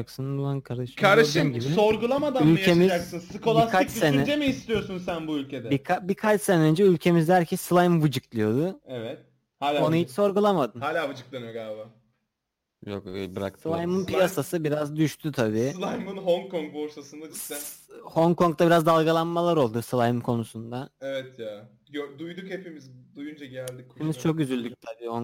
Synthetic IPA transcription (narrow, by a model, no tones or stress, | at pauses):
ksɯnɯulˠankʰaɾd̪aʃkʰaɾd̪aʃɯmɟibso̞ɾɡulˠamad̪aylʲemizaksɯnsɯko̞lˠakʰaɯt͡ʃsenɛd͡ʒemiːst̪ʰijo̞sunsænbuylʲcʰed̪ɛikʰabikʰat͡ʃsenɛø̞nd͡ʒɛylʲcʰe̞mizd̪æɾcʰɛsɯlˠajmɯvɯd͡ʒɯklˠɯjo̞d̪ʊɛvɛt̪̚ | haːlʲonahit͡ʃso̞ɾɡulˠamad̪ɯnhaːlʲaːvɯd͡ʒɯklˠanɯjoɡaba | jo̰kbɯɾa̰kt̪ʰɯlˠajmɯnpʰijasasɯbiɾazd̪yʃt̪ʰyt̪ʰabiːlˠajmɯnɦoŋkʰoŋk̚boɾsasɯnd̪ad̪i | ho̞ŋko̞ŋk̚t̪ʰabiɾazd̪alˠɡalˠanmalˠaɾo̞lˠd̪usɯlˠajɯmkʰo̞nusund̪aevɛt̪ʰjaː | jød̪ujd̪ukhepimizd̪ujund͡ʒaɟælʲd̪ikeimizt͡ʃʰo̞k̚ɟyzylʲd̪yc̚t̪ʰabiːhoŋ